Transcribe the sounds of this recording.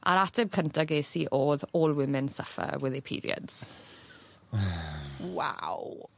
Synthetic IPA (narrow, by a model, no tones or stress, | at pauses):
a̰ɾatʰɛb̚kʰəntʰaɡeːsiʔoːðoːlˠwɪmɪnsəfə̰wɛðɪpʰḭɾḭə̰dz̥ | wa̰w